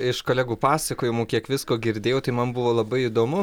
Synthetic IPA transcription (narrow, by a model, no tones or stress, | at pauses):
ɪʃkoːlʲæːɡuːpɑːsɐkoːjɛmoːkʲiɛkʋʲɪskoːɡʲɪɾʲd̪ʲeːjɛʊt̪ɐɪmɐnbʊʋoːlˠɐbɐɪid̪oːmʊ